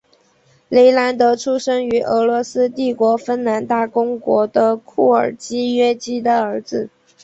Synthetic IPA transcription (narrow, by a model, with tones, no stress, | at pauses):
le˧˥ɪla˧˥nt̪̬ɤ˧˥ʈ͡ʂʰu˥ʂɤ˥ŋy˧˥ʔɤ˧˥lwɔ˧˥sɹ̩˥t̪i˥˩kwɔ˧˥fə˥nna˧˥nt̪a˥˩kʊ˥ŋkwɔ˧˥d̪ə˧kʰu˥˩ə̰˞˨˩t͡ɕi˥ɥɛ˥t͡ɕi˥d̪ə˨ə˞˧˥d͡zɹ̩˥˩